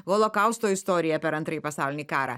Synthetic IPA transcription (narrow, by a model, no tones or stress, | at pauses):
ɣɔlˠokɑˑʊst̪oːɪst̪ɔːɾʲɪjɛpʲɛɾɐnt̪ɾɐipɐsɑˑʊlʲɪnʲiːkɑːɾɑ̰ː